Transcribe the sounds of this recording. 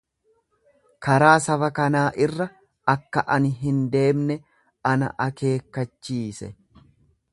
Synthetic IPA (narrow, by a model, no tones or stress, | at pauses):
kɐɾaːsɐbɐkɐnaːʔɪrːɐ | ʔɐkːɐʔɐnɦɪnd̪e̞ːmnɛ | ɐnɐ̰ʔɐke̞ːkːɐt͡ʃːiːsɛ̰